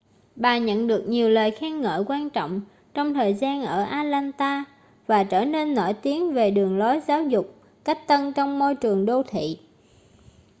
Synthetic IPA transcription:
ɓaː˨˩ɲə̰˧˨nɗɨ˨˩ək̚ɲi˨˩əwləː˨˩jxɛ˧ŋŋə̰ː˧˨˩jkwaː˧nt͡ɕɔ̰˧˨wŋ͡m | t͡ɕɔ˧wŋ͡mt̪ʰəː˨˩jzaː˧nʔəː˧˩ʔaː˧laː˧nt̪aː˧ | vaː˨˩t͡ɕəː˧˩ne˧nːo˧˩jt̪i˨˦əŋve˨˩ɗɨ˨˩əŋlo˨˦jzaː˨˦wzʊ˨˩k͡p̚ | ka˦˥k̚t̪ə˧nt͡ɕɔ˧wŋ͡mmo˧jt͡ɕɨ˨˩əŋɗo˧t̪ʰḭ˧˨

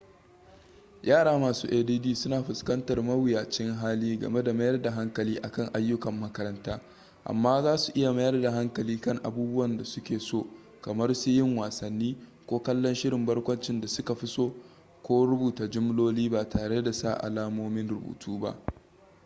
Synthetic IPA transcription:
jʔaː˦˨ɽaː˦maː˨suː˦ʔeː˨diː˦diː˦sʊ˦naː˨ɸʊ˨skɐ˦ntɐ˨rmɐ˦wɪ˨jaː˨t͡ʃɪ˦ŋɦaː˦liː˦ɡɐ̰˨me˦da˨mɐ˦jɐ˦rda˨ɦa˦ŋkɐ˨liː˦ʔa˨kɐ˦˨ŋʔa˦jːʊ˦kɐ˨mːɐ˦kɐ˦ɾɐ˦ntaː˦ | ʔa̰˨mːaː˦zaː˦su˨ʔɪ˦ja˨mɐ˦jɐ˦rda˨ɦa˦ŋkɐ˨liː˦kɐ˦˨ŋʔa̰˨buː˦bʊ˦wɐ˨nda˨sʊ˦kʲeː˨soː˦˨ | kɐ˨mɐ˦rsu˦jɪ˦ŋwaː˨sɐ˨nːiː˦kʷoː˦kɐ˦lːɔ˦nʃɪ˦ɽɪ˨mbɐ˦ɽkʷɐ˦nt͡ʃɪ˦nda˨sʊ˦ka˨ɸɪ˦soː˦ | kʷoː˦ɾʊ˦buː˨taː˨d͡ʒʊ˦m˦loː˦liː˦baː˨tʰaː˨ɽe˦da˨sa̰˦˨ʔa̰˨laː˦moː˦mɪ˦nɾʊ˦˨bṵː˨tʰuː˦ba̰˦ʔ

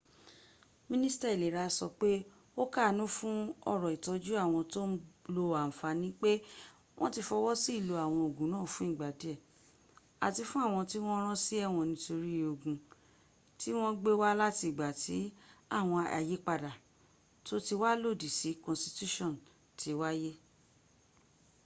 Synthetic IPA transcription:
mĩ˦nĩ˦sta˧˨e˨le˨ɾa˧sɔ̰˧k͡pe˦ | o˦ka˦˨nũ˦fũ˦ɔ˦˨ɾɔ˨i˨tɔ˨˧d͡ʒu˦a˦˨w̃ɔ̃˧to˦n̩˦lo˧a˨n̩˨fa˧nĩ˦k͡pe˦ | w̃ʔɔ̃˦ti˧fɔ˧wɔ˦si˦˨lo˧a˨w̃ɔ̃˧o˨ɡũ˨˦nãː˦˨fũ˨˦ĩ˦˨ɡ͡ba˨di˨˦ɛ˦˨ | a̰˨ti˧fũ˦a˦˨w̃ɔ̃˧ti˦w̃ɔ̃˦ɾ̃ɔ̃˦si˦ɛ˦˨w̃ɔ̃˧nĩ˨˦to˧ɾi˦o˧ɡũ˧ | ti˦w̃ɔ̃˦ɡ͡be˦wa˦la˦ti˧˦˨ɡ͡ba˨ti˨˦a˦˨w̃ɔ̃˧a̰˨je˦k͡pa˧da˨ | to˦ti˧wa˦lo˦˨di˨si˨˦kɔ̃˨nsti˧tu˦ʃɔ̃˦˨n | tʰi˨˦wa˦je˦

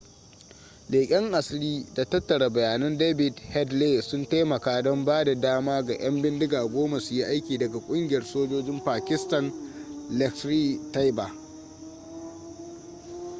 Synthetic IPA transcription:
leː˨kʲʼɪ˦ŋʔa˨sliː˦da˨tɐ˦tːɐ˨ɽa˨bɐ˨jaː˨nɐ˦ndeː˦bɪ˨dhɛ˦dleː˦sʊ˦nta˦mɐ˨kaː˦dɔ˦mbaː˦da˨daː˦maː˦ɡa˨ʔɐ˦mbɪ˦ndɪ˦ɡaː˨ɡʷoː˦ma˨sʊ˨ji˦ʔa˦jkʲiː˨dɐ˨ɡa˨kʷʼʊ˦ŋɡʲɪ˨jɐ˨rsoː˦d͡ʒoː˦d͡ʒɪ˦mpaː˨kʲɪ˦stɐ˨nlɛ˨kstɾiː˦ta˦jba˨

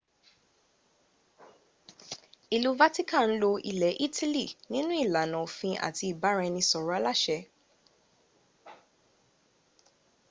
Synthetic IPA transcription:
i˨lu˦va˦ti˦kã˦˨n̩˦lo˧ḭ˨lɛ˨˦ʔi˦tʰi˦li˦˨nĩ˦nũ˦i˦˨la˨nã˨fĩ˧ʔa̰˨ti˧i˨ba˨˦ɾɛ˧nĩ˧sɔ˨ɾa˨˦la˦˨ʃɛ˧˦

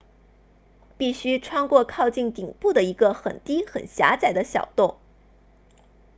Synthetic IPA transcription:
pi˥˩ɕy˥ʈ͡ʂʰwɑ˥ŋkwɔ˥˧kʰɑ˥˧ʊt͡ɕi˥˩nt̪i˨˩ŋpu˥˩d̪ə˩i˧˥ɡə˧xə̰˨˩nt̪i˥xə̰˨˩nɕja̰˧˥t͡sa˨˩ɪd̪ə˦ɕjɑ̰˨˩ʊt̪ʊ˥˩ŋ

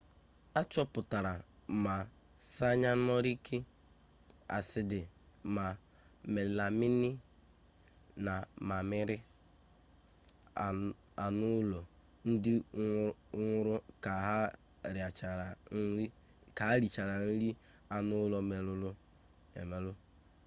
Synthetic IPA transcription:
a˦t͡ʃɔ˦pʊ˨ta˨ɾa˨ma˨ | sa˦ɲa˦n˦ɔ˦ɾi˦kʰe˦ | a̰˨sɪ˨dɪ˨ | ma˨ | me˨lɪ˨la˨mɪ˦nɪ˦ | na˨ma˨mɪ˦ɾɪ˦˨ | a˨nʊ˦lɔ˨ | n̩˦dɪ˦ | ŋʷʊ˦ɾʊ˦ka˨ɦa˦ | ɾa˨t͡ʃa˨ɾa˨˦i˦ | ka˨˦ɾi˨t͡ʃa˨ɾa˨n̩˦ɾi˦ | a˨nʊ˦lɔ˨me˨lʊ˦lʊ˦ | ḛ˨me˨lʊ˦

